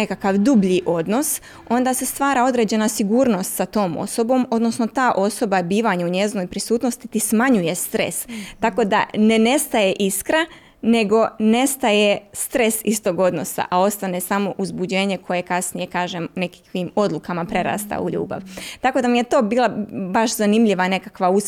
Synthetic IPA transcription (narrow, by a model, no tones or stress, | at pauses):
nekakaʋd̪ubʎiʔo̞d̪no̞s | o̞nd̪ase̞st̪ʋaːɾao̞d̪ɾe̞ːd͡ʑe̞nasiɡuːɾno̞st̪sat̪o̞ːmo̞̰so̞bo̞ːmod̪no̞sno̞t̪aːʔo̞so̞babiːʋaɲauɲe̞zno̞jpɾisuːt̪no̞st̪it̪ismaɲuje̞st̪ɾe̞̰st̪ako̞d̪a̰ne̞ne̞st̪aje̞ʔiskɾa | ne̞ɡo̞ne̞st̪aje̞st̪ɾe̞sist̪o̞ɡo̞d̪no̞̰sa̰ʔao̞st̪ane̞samo̞ʔuzbud͡ʑe̞ːɲe̞kʰo̞je̞kasnije̞kaːʒemunekkʋimo̞d̪lukamapɾe̞ɾa̰ːst̪a̰ṵʎṵːba̰ʋt̪ako̞d̪amije̞t̪o̞ːbiːlˠabaʃzanimʎiʋane̞kakʋaus